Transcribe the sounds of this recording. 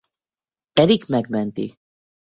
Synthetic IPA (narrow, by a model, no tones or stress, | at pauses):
ɛɾiɡmɛɡmɛnt̪ḭ